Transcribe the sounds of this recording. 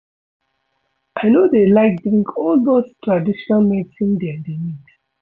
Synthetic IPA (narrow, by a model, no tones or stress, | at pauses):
aɪnodelaɪk̚dɹĩŋkʰɔldostɹadiʃɔnalmetĩndɛandemid